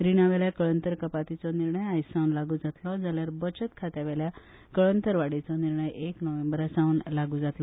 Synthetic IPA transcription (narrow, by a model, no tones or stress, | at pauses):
ɾinaʋɛljakəɭənt̪əɾkəpat̪it͡sɔniɾɳəjajsãwnlaɡuːd͡zat̪lɔd͡zaljaɾbət͡ɕət̪kʰat̪aʋɛlja | kəɭənt̪əɾʋaɽit͡sɔniɾɳəjeknəʋẽmbəɾasaunlaɡuːd͡zat̪lɔ